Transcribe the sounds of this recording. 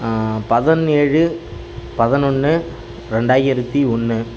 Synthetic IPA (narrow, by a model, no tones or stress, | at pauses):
pɐðɐneːɻɯ | pɐðɐnɔnːɯ | ɾɛɳɖaːjɪɾɐt̪ːiɔnːɯ